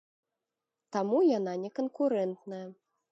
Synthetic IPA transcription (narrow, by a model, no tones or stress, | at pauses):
t̪amujananʲɛkɐnkuɾɛnt̪nɐjɐ